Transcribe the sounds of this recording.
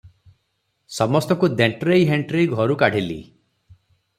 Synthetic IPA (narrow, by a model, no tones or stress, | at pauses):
sɔmɔst̪ɔkud̪eɳʈɾejɦeɳʈɾiɡʱɔɾukaɽ̤ʱilḭ